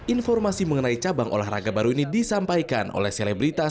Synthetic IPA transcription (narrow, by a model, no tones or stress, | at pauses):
ʔinfɔrmasiməŋənait͡ʃabaŋʔo̰lahra̰ɡabaɾuinidisampajkanʔo̰lɛhselebɾit̪a